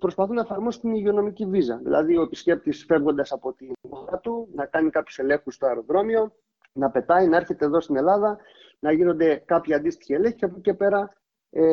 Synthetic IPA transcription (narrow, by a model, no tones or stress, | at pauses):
pɾo̞spɐθunɐe̞fɐɾmo̞si̥t̪iniʝio̞no̞micivizɐðḭlɐ̰ðioe̞pisce̞p̚t̪isfe̞vɣo̞nd̪ɐsɐpo̞t̪inoɾɐt̪unɐkɐnikɐpçu̥se̞le̞ŋxust̪oɐɾo̞ðɾo̞mio̞ | nɐpe̞t̪ɐinɐe̞ɾçe̞t̪e̞ːðo̞st̪ine̞lɐðɐ | nɐʝino̞nd̪e̞kɐpçɐnd̪ist̪i̥çiele̞ŋçiɐpuce̞pe̞ɾɐ | e